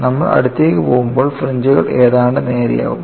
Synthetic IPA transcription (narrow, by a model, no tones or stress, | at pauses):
nɐmːɐɭɐ̰ɽut̪ːeːkːɨpoːɣumbo̞ːɭfreɲd͡ʑɨɣɐɭʔe̞ːðaːɳɖɨne̞ːɾḭja̰ːɣṵm